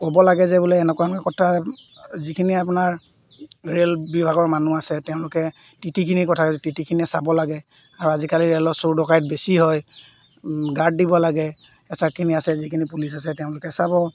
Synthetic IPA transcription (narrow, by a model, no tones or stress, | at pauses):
kobɔlaɡɛzɛbuleɛnɛkɔamkakɔtʰa | zikʰiniap̬ʊnaɹ | ɹelbibʱaɡɔɹmanuasɛtɛʊ̃lʊkɛ | titikʰinikɔtʰaktitikʰiniɛsabɔlaɡɛ | aɹuazikaliɹelɔsuɹdɔkajt̚besiɦɔj | ɡad̚ːibɔlaɡɛ | ɛsakʰiniasɛzikʰinipulisasɛtɛʊ̃lʊkɛsabɔ